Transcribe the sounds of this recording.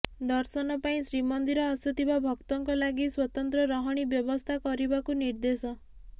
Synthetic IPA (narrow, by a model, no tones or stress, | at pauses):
d̪ɔɾsɔnɔpaĩsɾimɔnd̪iɾɔːsut̪ʰibabʱɔkt̪ɔŋkɔlaɡiswɔt̪ɔnt̪ɾɔɾɔɦɔɽ̃ibjɔbɔst̪ʰakɔɾibakuniɾd̪esɔ